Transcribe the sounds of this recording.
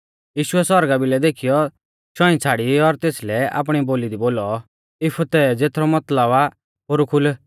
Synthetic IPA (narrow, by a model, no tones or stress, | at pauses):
jiːʃuɛsɔɾɡabilɛd̪eːkʰijɔ | ʃɔ̃ĩt͡sʰaːɽiɔɾt̪eːslɛa̰ːp̬ɽ̃iboːlid̪iboːlɔ | ɪpʰut̪ɛd͡zeːt̪ʰɾɔmɐt̪ləba | ɦoːɾukʰʊl